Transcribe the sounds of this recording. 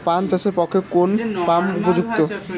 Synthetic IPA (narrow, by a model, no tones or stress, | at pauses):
pant͡ɕaʃeɾpɔkʰːekonpamupod͡ʑuk̚t̪o